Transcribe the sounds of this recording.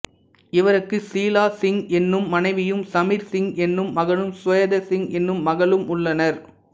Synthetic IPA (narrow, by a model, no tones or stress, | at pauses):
ɪʋɐɾɯkːɯsiːlaːsɪŋɛnːɯmːɐnɐɪʋɪjɯmsɐmiɾsɪŋɛnːɯmːɐɣɐɭɯmsʋɐjɐðɐsɪŋɛnːɯmːɐɣɐɭɯmʊɭːɐnɐɾ